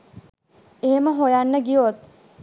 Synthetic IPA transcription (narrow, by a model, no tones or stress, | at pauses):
eɦeməɦojanːəɡiot̪̚